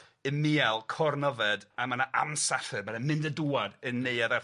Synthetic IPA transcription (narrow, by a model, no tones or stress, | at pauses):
ɨmialˠkʰɔrnəvɛdamanaʔa̰msaɬɨbanɛmɪndəduːadənːeɨaðar